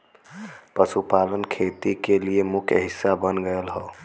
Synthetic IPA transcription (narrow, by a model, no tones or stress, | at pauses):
pəsupalənkʰet̪ikeliemukʰjɦisːabənɡəjlɦɔ